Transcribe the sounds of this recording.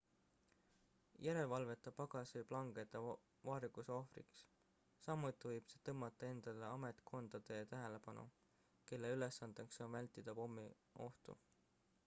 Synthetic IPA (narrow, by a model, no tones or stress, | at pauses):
jæɾe̞lvɑlve̞t̪ːˑɑpɑɡ̥ɑsɯjplɑŋɡ̥e̞t̪ːˑɑ | vɑːɾikuso̞frḭks | sɑmːut̪ːˑivɤjb̥se̞t̪ɤmːɑt̪ːˑɑe̞nd̪̥ɑleɑme̞t̪kʰo̞nd̪̥ɑd̪̥e̞t̪æɦe̞le̞pɑnṵ | ke̞lːe̞yle̞sːɑnd̪ekso̞nvælʲt̪id̪̥ɑpo̞mːi | o̞ht̪ṵ